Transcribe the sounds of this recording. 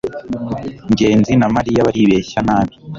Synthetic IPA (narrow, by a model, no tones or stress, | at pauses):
ɲɟe̞ːnzinamaɾijaβaɾiβeçanaːni